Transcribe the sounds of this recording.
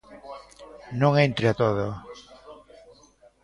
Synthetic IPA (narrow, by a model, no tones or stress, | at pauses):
nõŋent̪ɾeat̪oðo